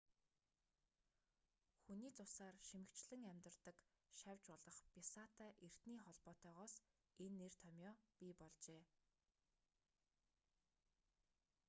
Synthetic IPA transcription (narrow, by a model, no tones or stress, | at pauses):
xuniːt͡sʊsaːrʃimɘ̆kt͡ɕɮɘ̆ŋæmʲt̪ə̆rt̪ə̆k | ʃæwʲt͡ɕɔɮɞ̆χpʲisaːt̪ʰæːʔer̥t̪niːχɔɮpɔːt̪œːʁɔːs | enːer̥t̪ʰɔmʲjɔːpʲipɔɮt͡ɕeː